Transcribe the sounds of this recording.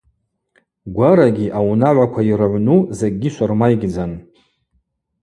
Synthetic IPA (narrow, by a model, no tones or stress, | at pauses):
ɡʷaɾaɡʲiʔawnaʕʷakʷʰairʕʷnuzeɡ̚ʲːiʃʷarmajɡʲd͡zan